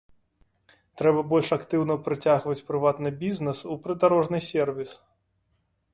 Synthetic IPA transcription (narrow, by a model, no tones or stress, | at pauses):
t̪ɾɛbɐbɔlʲʂakt̪ɨwnɐpɾɨt͡sʲaɣvɐt͡sʲpɾɨvat̪nɨbʲiznɛsupɾɨd̪aɾɔʐnɨsʲɛrvʲis